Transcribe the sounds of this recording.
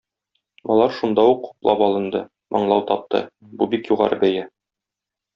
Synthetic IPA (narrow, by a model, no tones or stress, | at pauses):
ɒ̰lˠɑɾʃund̪ɑuqːu̥plˠɑpɒlˠɤ̆nd̪ɤ | mʔɒ̰ɴlˠɑwt̪ɒp̚t̪ɤ̰ | bubikjuʁɑ̰ɾɤbæjæ